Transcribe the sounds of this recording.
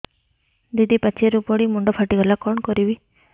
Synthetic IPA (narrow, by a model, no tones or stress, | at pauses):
d̪id̪ipat͡ʃʰiɾupɔɽimuɳɖɔpʰaʈiɡɔlakɔɳkɔɾiʋi